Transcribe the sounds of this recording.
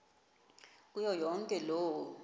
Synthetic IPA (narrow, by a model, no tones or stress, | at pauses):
k̬ʼujɔjɔŋkʼɛlɔːwɔ